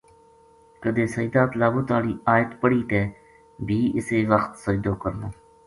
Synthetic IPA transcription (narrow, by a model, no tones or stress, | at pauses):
kəd̪eːsəjd̪aːt̪laːbʊːt̪aːliːaːjət̪pəɽiːt̪ɛː | bʱiːɪseːʋəxt̪səd͡ʒd̪oːkəɾnoː